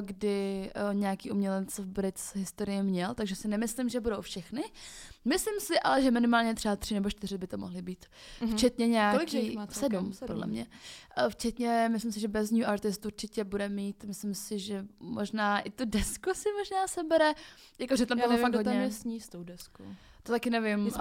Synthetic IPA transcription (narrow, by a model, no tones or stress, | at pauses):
ɡdɪɲɛjakiːumɲɛlɛt͡sɛvbɾɪt͡sɦɪst̪oɾɪjɪmɲɛlt̪aɡʒɛsɪnɛmɪslɪmʒɛbudo̞wfʃɛxnɪmɪslɪmsɪʔa̰lɛʒɛmɪnɪmaːlɲɛt̪r̥ɛbat̪r̝̥ɪnɛbo̞ʃt̪ɪɾɪbɪt̪o̞mo̰ɦlɪbiːt̪ | ft͡ʃɛt̪ɲɛɲɛalɪkiassɛdumpodlɛ̰mɲɛ̰ft͡ʃɛt̪ɲɛmɪslɪmsɪʒɛbɛzɲuʔaɾt̪ɪst̪uɾt͡ʃɪcɛbudɛmiːt̪mɪslɪmsɪʒɛmoʒnaːʔɪt̪udɛskusɪmo̞ʒnaːsɛbɛɾɛ | jakoʒɛt̪amoɦoaɡɦoɲɛɛsɲist̪owdɛskot̪ot̪akɪnɛvɪm